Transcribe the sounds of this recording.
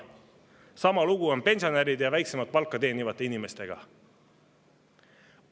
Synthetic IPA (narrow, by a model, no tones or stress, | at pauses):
sɑmɑluɡ̥uo̞npe̞nsio̞neɾid̪jɑvæjksemɑt̪̚pɑlkˑːɑt̪e̞ːnivɑt̪ːˑe̞inime̞st̪e̞ɡ̥ɑ̰